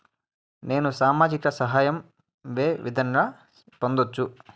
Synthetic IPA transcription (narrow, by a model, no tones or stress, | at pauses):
ne̞ːnusaːmaːd͡ʒikɐsɐɦaːjɐm | ʋeːʋḭd̪ʱɐŋɡaː | pond̪ot͡ʃːu